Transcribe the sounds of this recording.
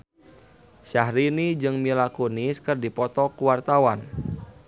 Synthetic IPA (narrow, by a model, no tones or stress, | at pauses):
ʃahɾinid͡ʒɨŋmilakoniskɨrdipɔt̪ɔkuwart̪awan